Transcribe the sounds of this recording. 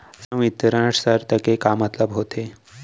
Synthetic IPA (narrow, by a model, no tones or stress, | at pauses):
sə̃ʋit̪ɾaʈsəɾt̪əkekamat̪ləbɦot̪ʰe